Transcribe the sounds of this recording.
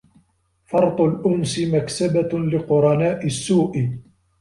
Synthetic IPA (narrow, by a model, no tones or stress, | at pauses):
fɑɾˤt̪ˤʊlʔʊmsɪmaksabalɪqʊɾˤɑnaːʔɪsːuːʔɪ